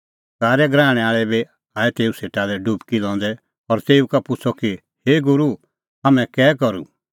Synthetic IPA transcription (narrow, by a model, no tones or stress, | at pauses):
kaːɾɛɡɾaːɽ̃ɛaːɭɛbe | aːɛt̪eːuseːʈalɛɖubkilɔ̃ːnd̪ɛ | ɔɾt̪eːukapʊt͡sʰɔki | heːɡʊɾu | amɛ̃kɛːkɔɾṵ